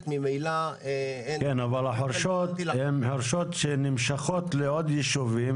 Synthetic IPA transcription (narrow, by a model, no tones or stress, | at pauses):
t̪mimejla | kenavalaħoɾʃot̪hemħoɾʃot̪ʃenimʃaχot̪leod̪jeʃuvim